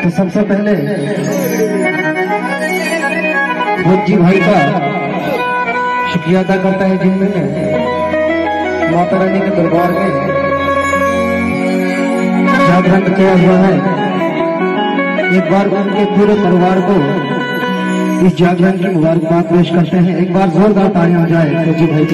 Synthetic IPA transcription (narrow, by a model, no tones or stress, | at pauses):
t̪osɐbsepɛɦle | ɾod͡ʒibʱaːika | ʃʊkɾijaːt̪akɐɾt̪aɦɛ̃d͡ʒɪmijẽ | maːp̪aɾaːnekid̪ɐɾbaːɾmẽ | d͡ʒaːɡɾənkijaɦuaɦɛ | eːk̚baːɾʊnkepuːɾet̪ɐɾʋaːɾko | ɪsd͡ʒaːɡɾankimʊbaːɾkbaːt̪̚peːʃkɐɾt̪eɦɛ̃eːk̚baːɾzoːɾd̪aːt̪aːiãd͡ʒaːeɾod͡ʒibʱaːika